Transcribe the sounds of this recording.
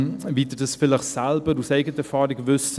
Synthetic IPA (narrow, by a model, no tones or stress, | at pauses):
viːdədəsfɪləχsɛlbəɾuseɪɡətəfɑːɾiɡvʏs